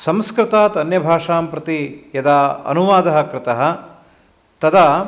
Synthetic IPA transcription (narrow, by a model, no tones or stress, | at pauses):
sɐmskɾɪt̪aːt̪ɐnjɐbʱaːʂaːmpɾɐt̪ijɐd̪aːɐ̰nuʋaːd̪ɐɦɐ̆kɾɪt̪ɐɦɐ̆ | t̪ɐd̪aː